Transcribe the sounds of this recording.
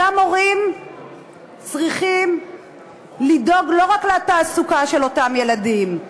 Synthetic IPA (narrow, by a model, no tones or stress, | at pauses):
amo̞ʁim | t͡sʁiχim | lido̞ɡlo̞ʁakleataːsukaʃe̞lo̞tamje̞ladim